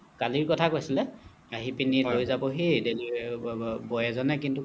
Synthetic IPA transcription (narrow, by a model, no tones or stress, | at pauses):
kaliɹkɔtʰakojsilɛ | aɦipinilojzabɔɦideli | bɔjɛzɔnɛkintu